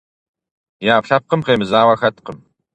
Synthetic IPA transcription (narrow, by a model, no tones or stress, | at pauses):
jaːpɬɐp̚qəmqeːmɨzaːwɐxɐtqəm